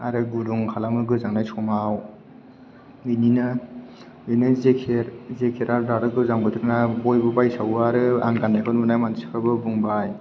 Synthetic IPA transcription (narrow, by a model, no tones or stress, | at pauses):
aɾɯɡuduŋkʰalamɯɡɯzaŋnajsʰɔmaw | ɯjnina | ɯjnɯzekʰeɾzekʰeɾaɾdaɾɯɡɯzaŋbɯtʰɯɾɯnabɔjbɯbajsawaɾɯa̰ŋɡanːakʰanunajmansikʰabɯbuŋbaj